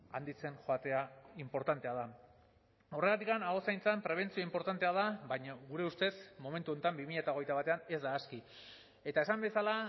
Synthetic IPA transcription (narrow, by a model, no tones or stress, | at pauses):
and̪it͡se̞nxoat̪e̞aimpo̞ɾt̪ant̪e̞að̞a | o̞re̞ɣat̪ikanaɣo̞sajnt͡sampɾe̞β̞e̞nt͡sioimpo̞ɾt̪ant̪e̞aðabajɲaɣuɾe̞ust̪e̞smo̞me̞nt̪uo̞nt̪ambimiʎaet̪a̞ɣ̞ejt̪aβ̞at̪e̞ane̞zd̪aːski | e̞t̪aesambe̞sala